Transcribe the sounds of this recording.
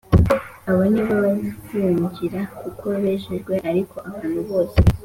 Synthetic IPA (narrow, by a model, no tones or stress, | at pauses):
aβoniβaβonakujuɲɟiɾakukʰoβeːʒeʒɡwe̞ʔaɾikʰo̞ʔaβaːn̥huβo̞ːse